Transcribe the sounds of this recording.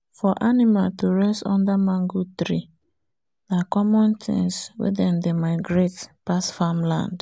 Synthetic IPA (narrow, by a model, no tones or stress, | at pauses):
fɔʔanimaltuɹɛstɔ̰̃ndamãŋɡut̪ɾḭ | nakɔmɔ̃nt̪ʰḭ̃ŋswḛdɛ̃ndemaɪɡɾetpasfamlã̰nd